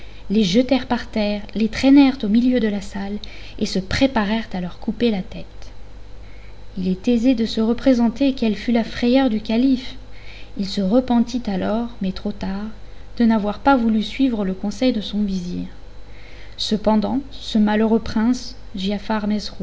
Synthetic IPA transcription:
leʒət̪ɛʁpaʁt̪ɛʁlet̪χɛnɛʁt̪omiljød̪əlasal | esəpχepaʁɛʁt̪alœʁkupelat̪ɛt̪ | ilɛt̪ezed̪əsəʁəpχezɑ̃t̪ekɛlfylafχɛjœʁd̪ykalif | ilsəʁəpɑ̃t̪it̪alɔʁmɛt̪χot̪aʁd̪̥ənavwaʁpavulysɥivʁələkɔ̃sɛjd̪əsɔ̃vizḭːʁ | səpɑ̃d̪ɑ̃səmaløʁøpχɛ̃s | ʒiafaʁmɛzʁu

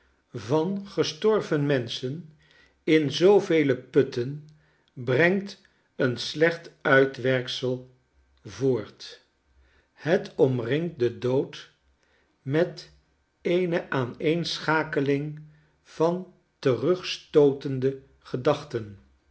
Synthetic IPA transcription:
vɑnχəstɔɹvənmɛnsən | ɪnzowvejləpɵtən | brɛŋt | ənslɛχtœɥtʋɛrksəlˠ | vʊːɹt | hətɔmrɪŋt̚dədowt | mɛt | ejnəʔaːnejnsχaːkəlɪŋ | v̥ɑn | tərɵχstowtəndə | χədɑχtən

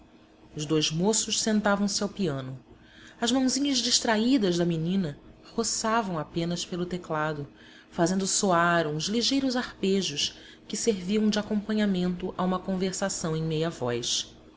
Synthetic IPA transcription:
ʊzd̪ojzmosʊʃsẽnt̪avɐ̃w̃sɪawpiɐ̃nʊ | ɐzmɐ̃w̃zĩɲɐzd͡ʒiʃt̪ɾaid̪ɐʒd̪ɐminĩnɐhosavɐ̃w̃apẽnɐspelʊt̪eklad̪ʊ | fazẽnd̪ʊsoaɾũzliʒejɾʊzahpeʒʊʃ | kɪseɾviɐ̃w̃d͡ʒɪakõpɐ̃ɲamẽnt̪ʊʔaũmɐkõveɾsasɐ̃w̃ẽj̃mejɐvɔ̰js

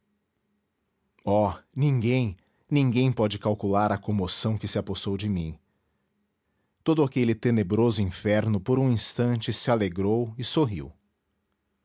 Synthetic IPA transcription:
ɔnĩŋɡẽj̃ | nĩŋɡẽj̃pɔd͡ʒɪkawkulaɾɐkõmosɐ̃w̃kɪsɪaposowd͡ʒɪmĩ | t̪od̪ʊakelɪt̪enebɾozʊĩfɛɾnʊpoɾũĩst̪ɐ̃nt͡ʃɪsɪaleɡɾowɪsoɦḭw

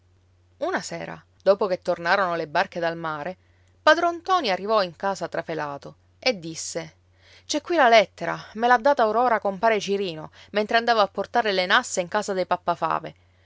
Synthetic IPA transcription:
unasɛːɾa̰ | d̪oːpok̟et̪ːornaːɾonolebarked̪almaːɾe | pad̪ɾont̪ɔːniarːivɔiŋkaːzat̪ɾafelaːt̪o | ed̪ːisːe | t͡ʃɛkːwilalɛt̪ːeɾamelad̪ːaːt̪aoɾɔːɾakompaːɾet͡ʃiɾiːnoment̪ɾeand̪aːvaapːort̪aːɾelenasːeiŋkaːzad̪ejpapːafa̰ːve

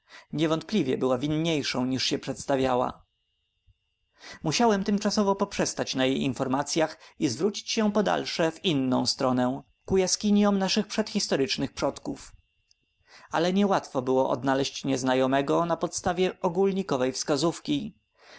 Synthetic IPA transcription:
ɲɛvɔnt̪̚plʲivʲjɛ̰bɘwavʲinɲejʂɔ̃w̃ɲiʂɕɛpʂɛt̪st̪avʲjawa̰ | muɕawɛmt̪ɘmt͡ʂasɔvɔpɔpʂɛst̪at͡ɕnajejinfɔɾmat̪sʲjaxizvɾut͡ɕi̥t͡ɕɕɛpɔd̪a̰lʂɛvinːɔ̃w̃st̪ɾɔnɛ | kujaskʲiɲjɔmnaʂɘxpʂɛt̪xʲist̪ɔɾɘt͡ʂnɘxpʂɔt̪kuf | a̰lɛɲɛwat̪fɔbɘwɔʔɔ̰d̪nalɛɕt͡ɕɲɛznajɔmɛɡɔnapɔt̪st̪avʲjɛʔɔɡulɲikɔvɛjfskazufkʲi

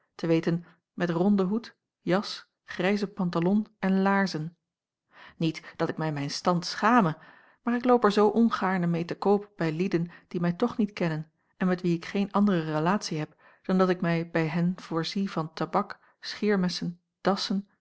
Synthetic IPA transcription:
təʋejtən | mɛtrɔndəɦut | jɑs | χrɛjzəpɑntalɔnɛnlaːɹzən | nitd̥ɑtɪk̚mɛjmɛjnstɑntsχaːmə | maːɹɪklowpɛɹzowʔɔnχaːɹnəmejtəkowpb̥ɛjlidənd̥imɛjtɔχnitkɛnən | ɛnmɛtʋiɪkχejnʔɑndərərəlaːtsiɦɛp | d̥ɑndɑtɪkmɛjbɛjɦɛnv̥ʊːɹzivɑntabɑk | sχɪːɹmɛsən | d̥ɑsən

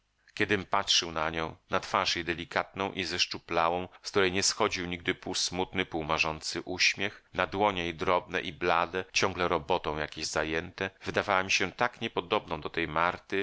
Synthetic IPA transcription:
kʲɛd̪ɘmpatʂɘwnaɲɔ̃w̃nat̪faʂjejd̪ɛlʲikat̪nɔ̃w̃ʔizɛʂt͡ʂuplawɔ̃w̃skt̪uɾɛjɲɛsxɔd͡ʑiwɲiɡ̚d̪ɘpusmut̪nɘpuwmaʐɔnt̪sɘʔuɕmʲjɛxnad̪wɔɲɛid̪ɾɔbnɛ̰ʔiblad̪ɛt͡ɕɔ̃ŋɡlɛɾɔbɔt̪ɔ̃w̃jakʲeʑzajɛnt̪ɛvɘd̪avawamʲiɕɛt̪akɲɛpɔd̪ɔbnɔ̃w̃d̪ɔt̪ɛjmaɾt̪ɘ

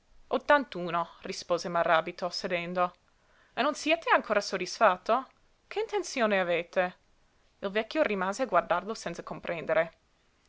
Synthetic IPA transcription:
ot̪ːant̪uːnorispoːzemaraːbit̪osed̪ɛnd̪o | enːonsjɛːt̪eaŋkoːɾasod̪isfat̪ːo | kʰeint̪ent̪sjoːneaveːt̪e | ilvɛkːjorimaːzeaɡward̪arlosɛnt̪sakompɾʔɛnd̪eɾe

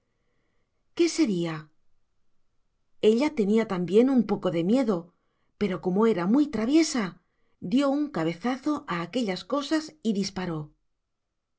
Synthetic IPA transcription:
ke̞se̞ɾia | e̞ʎat̪e̞niat̪ambje̞numpo̞ko̞ðe̞mje̞ðo̞ | pe̞ɾo̞ko̞moe̞ɾamujt̪ɾaβ̞je̞sa | d̪jo̞uŋkaβ̞e̞θaθo̞ʔaːke̞ʎasko̞sasiðispaɾo̞

